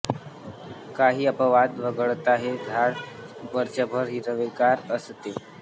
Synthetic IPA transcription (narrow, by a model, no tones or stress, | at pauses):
kaɦiːəpəʋad̪ʋəɡəɭt̪aɦed̪ʱaɽ | bəɾt͡ɕəbʱəɾɦiɾəʋekaɾəst̪e